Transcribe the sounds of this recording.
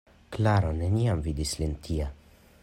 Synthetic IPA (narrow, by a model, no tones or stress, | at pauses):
klaɾoneniamvid̪islint̪ʰia